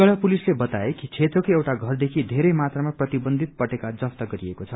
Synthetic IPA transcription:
ɡʌɽapulislebʌt̪aekit͡sʰet̪rʌkoewʈaɡʱʌrd̪ekʰid̪ʱeɾʌjmat̪ramaprʌt̪ibʌnd̪ʱit̪̚pʌʈekad͡zʌpt̪ʌɡʌɾiekot͡sʰʌ

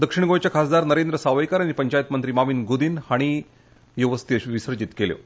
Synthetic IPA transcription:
d̪əkʂiɳɡõjt͡ɕjakʰasd̪aɾnəɾend̪ɾəsaʋajkaɾañipəɲt͡ɕajt̪mənt̪ɾiːmaʋiːnɡud̪iːnhaɽ̃i | joʋəst̪iəɕʋisəɾd͡ʑit̪keljo̰

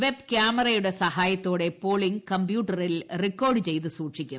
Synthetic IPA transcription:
ʋe̞bkjaːmɐrɐjuɽe̞sɐhaːjɐt̪ːo̞ːɽepo̞ːɭiŋkɐmbjuːʈːɐrilrikːo̞ːrɖɨt͡ɕe̞jt̪ɨsuːʈʂikʲːu

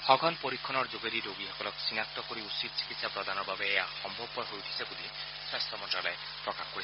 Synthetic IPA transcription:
hɔɡʱɔnpoɾikʰːɔnɔɾd͡ʒoɡeɾiɾoɡihɔkɔlɔksinak̚t̪ɔkoɾiusit̪̚t͡ʃi̥kit̪sapɾɔd̪ʱanɔɾbabeːaxɔmbʱɔbːɔɦojut̪ʰi̥sʰebud̪i | swast̪ʰɔmɔnʈɾɔlae | pɾɔkahɔkoɾisʰ

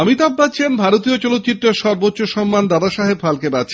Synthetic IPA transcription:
amit̪abːat͡ɕʰembʱaɾot̪iot͡ɕɔlot̪ːt͡ɕit̪ːɾeɾʃɔɾbotːɕːoʃɔmːand̪ad̪aʃaɦebfalkeɾat͡ɕʰ

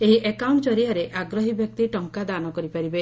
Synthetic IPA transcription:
eɦiʔekawɳʈt͡ʃɔɾiaɾeʔaɡɾɔɦibjɔk̚t̪iʈɔŋkad̪anɔkɔɾipaɾibe

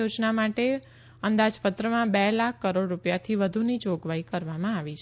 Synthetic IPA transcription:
od͡ʒnamaʈe | ənd̪ad͡ʒpət̪ɾəmãbɛlak̚ʰːəɾoɖɾupjat̪ʰiʋəd̪ʱunid͡ʒoɡʋaikəɾʋamãaʋit͡ʃʰ

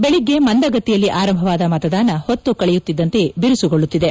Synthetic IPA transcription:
beɭiɡːe̞mɐnd̪ɐɡɐt̪ːijɐlːiʔaːɾɐmbʱɐʋaːd̪ɐmɐt̪ɐd̪aːnɐhot̪ːukɐɭɛjut̪ːid̪ːɐnt̪e̞biɾusuɡoɭːut̪ːid̪e̞

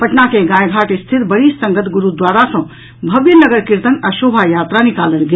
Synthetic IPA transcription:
pəʈnakeɡãjɡʱaʈest̪ʰit̪bəɾissə̃ŋɡət̪ʰɡuɾud̪waɾasə̃ | bʱəbjənəɡəɾkiɾt̪ənasobʱajat̪ɾanikalənɡe

